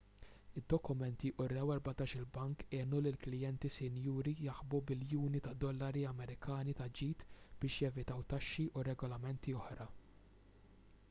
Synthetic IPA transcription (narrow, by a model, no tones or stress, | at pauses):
ɪd̪ːɔkʊmɛnt̪iʔʊɾɛwɛɾbɐt̪ɐːʃɪlbɐŋkɛːnulɪlklɪjɛnt̪isɪnjuːɾijɐħbubɪljuːnit̪ɐd̪ɔlːɐɾiɐmɛɾɪkʰɐːnit̪ɐd͡ʒiːt̪b̥ɪːʃjɛvɪt̪ɐwt̪ɐʃːiʔʊɾɛɡɔlɐmɛnt̪iɔħɾɐ